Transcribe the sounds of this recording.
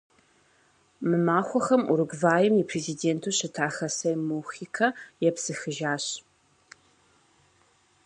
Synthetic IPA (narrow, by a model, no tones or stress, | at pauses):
mɨmaːxʷɔxɐmʔṵɾɨɡʷvaːjɪmipʰrezideːntʰuːɕɪtʰaːxɐsɐjmuxiːkʰɐjɛpsɨxɨʒaːɕ